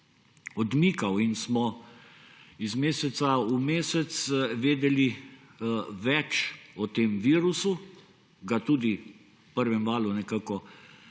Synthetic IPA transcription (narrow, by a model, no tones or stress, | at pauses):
ɔd̪miːkawinsmɔ | izmeːsɛt̪saumeːsɛt̪sʋeːd̪ɛli | ʋɛt͡ʃɔt̪eːmʋiːɾusu | ɡat̪uːd̪i | pəɾʋɛmʋaːlunɛkaːkɔ